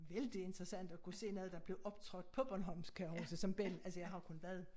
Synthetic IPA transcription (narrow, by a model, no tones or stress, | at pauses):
ʋeld̥ie̝nd̥ʁɐsæn̰d̥ɒkʰuse̝̰ːnɔðˠd̥ɑ̈b̥le̝ʊʔɒ̽b̥t͡sʰʁɔɡ̥d̥̚pʰɒ̽b̥ɒnɦɒ̽mskʰæɒsəsɒ̽mb̥el̰ælsəjɑ̈ɪhɑ̈kʰo̽nʋæɐð̞ˠ